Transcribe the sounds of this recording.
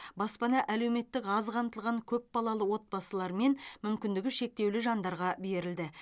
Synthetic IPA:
bɑspɑnɑʔæle̞wme̞t̪ːɪkɑzqʰɑmt̪əlˠʁɑŋkʲʰɵp̚bɑlˠɑlˠəwo̞t̪̚bɑsəlˠɑɾme̞nmʏmkʲɪnd̪ɪɡʲɪʃe̞k̚t̪e̞wlɪʒɑnd̪ɑɾʁɑbe̞ɾɪld̪ɪ

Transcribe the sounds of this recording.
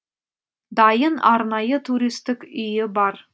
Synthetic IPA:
d̪ɑjənɑɾnɑjət̪ʰuɾʲist̪ɪkʏjɪbɑɾ

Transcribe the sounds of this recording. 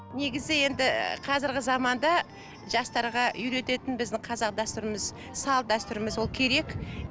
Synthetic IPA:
ne̞ɡʲɪzɪje̞nd̪ɪqʰɑzɪɾɡʲɪzɑmɑnd̪ɑ | ʒɑst̪ɑɾʁɑʏɾe̞t̪e̞t̪ɪnbɪzd̪ɪŋqʰɑzɑq̚d̪ɑst̪ʊɾəməz | sɑlˠd̪æst̪ʊɾəməzwo̞lˠkʲʰe̞ɾe̞k

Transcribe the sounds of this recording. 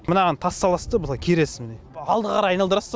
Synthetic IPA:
mənɑʁɑnt̪ʰɑsːɑlˠɑst̪əbəlˠɑjkʲʰeɾesɪmɪneɑlˠd̪əʁqʰɑɾɑjɑjnɑlˠd̪əɾɑs

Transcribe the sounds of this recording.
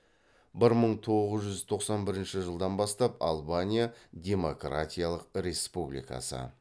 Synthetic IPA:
bɪɾməɴt̪ʰo̞ʁəzʒʏzt̪ʰo̞qsɑnbɪɾɪnʃɪʒəlˠd̪ɑnbɑst̪ɑpɑ̰lˠbanʲijad̪ʲe̞mo̞kra̰t̪ʲijalˠəq̚ɾe̞spublʲḭjkɑ̰sə̰

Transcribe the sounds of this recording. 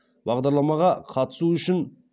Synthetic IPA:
bɑʁd̪ɑɾlˠɑmɑʁɑqʰɑt̪ə̥suʏʃɪn

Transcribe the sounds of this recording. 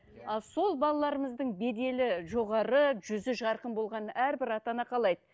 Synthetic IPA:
ɑlˠso̞lˠbɑlˠɑlˠɑɾəməzd̪əɴbe̞d̪e̞lɪʒo̞ʁɑɾəʒʏzɪʒɑɾqənbo̞lˠʁɑnæɾbɪɾɑt̪ɑnɑqʰɑlˠɑjd̪ə

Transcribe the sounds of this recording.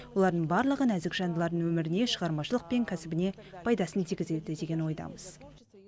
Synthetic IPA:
wo̞lˠɑɾd̪əɴbɑɾlˠəʁənæzɪkʒɑnd̪əlˠɑɾd̪əɴwɵmɪɾɪne̞ʃəʁɑɾmɑʃəlˠəq̚pe̞ŋkʲʰæsɪbɪne̞pʰɑjd̪ɑsənt̪ʰijɡʲɪzewd̪ɪd̪e̞ɡʲe̞nwo̞jd̪ɑ̰məz̥

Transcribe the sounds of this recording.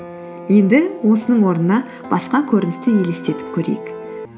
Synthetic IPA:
je̞nd̪ɪwo̞sənəɴwo̞ɾnənɑ | b̥ɑsqɑkʲʰɵɾɪnɪst̪ɪje̞le̞st̪e̞t̪ɪ̥p̚kʲʰɵɾḛjɪk

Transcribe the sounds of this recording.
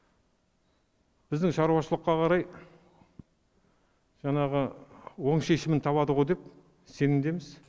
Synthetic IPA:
b̥ɪzd̪ɪŋʃɑɾuɑʃəlˠəqːɑqʰɑɾɑj | ʒ̥ɑɴɑʁəwo̞ɴʃe̞ʃɪmɪnt̪ʰɑβɑd̪əʁo̞jd̪e̞p | se̞nɪmd̪e̞mɪz

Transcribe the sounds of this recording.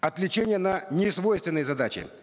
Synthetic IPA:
ɐt̪lʲɪt͡ɕenʲɪjənənʲɪsvo̞jst̪vʲɪnːɨjəzɐd̪at͡ɕɪ̰

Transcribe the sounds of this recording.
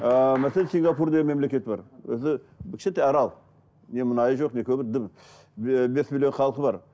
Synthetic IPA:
mæselʲensiŋɡɑpuɾd̪eɡɪmemle̞kʲe̞t̪ɪbɑ̰ɾwɵ̰zɪ | bɪkʲʃet̪eɑɾɑlˠ | ne̞mʊnɑjəʒoqne̞kʲʰɵbɪɾd̪əm | be̞smilʲjonχɑlˠəqəbɑɾ

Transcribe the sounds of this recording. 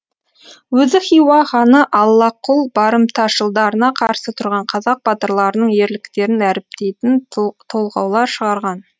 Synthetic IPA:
wɵzɪχijwɑχɑnəʔɑlˠːɑqːʊlˠbɑɾəmt̪ʰɑʃəlˠd̪ɑɾənɑqʰɑɾsət̪ʰʊɾʁɑɴqʰɑzɑq̚bɑt̪əɾlˠɑɾənəɴje̞ɾlɪkt̪e̞ɾɪnæɾɪp̚t̪e̞jt̪ɪnt̪ʰo̞lˠʁɑwlˠɑɾʃəʁɑɾʁɑn

